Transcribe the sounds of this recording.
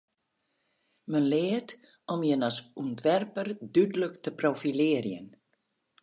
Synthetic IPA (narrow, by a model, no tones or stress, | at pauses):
mənleːt̪ | ɔmjɛnasunt̪ʋɛrpəɾd̪yd̪ləkt̪ʰəprofilɪːɾjə̰n